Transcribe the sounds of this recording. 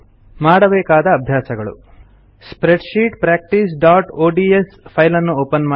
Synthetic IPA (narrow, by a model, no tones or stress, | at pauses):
maːɽɐbɛːkaːd̪ɐːbʱjaːsɐɡɐɭṵ | spɾeɖʃiːʈpɾaːk̚ʈis̬ɖaːʈoːɖiespʰɐjlɐnːuoːpɐnma